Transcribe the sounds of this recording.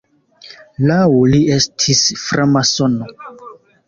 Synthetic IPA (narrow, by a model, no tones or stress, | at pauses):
lawliestʰisfɾʔamasono